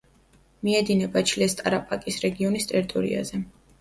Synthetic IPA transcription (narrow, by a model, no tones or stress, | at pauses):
miɛd̪inɛbat͡ʃʰlɛst̪ʼaɾapʼakʼisɾɛɡiɔnist̪ʼɛɾit̪ʼɔɾḭa̰zɛ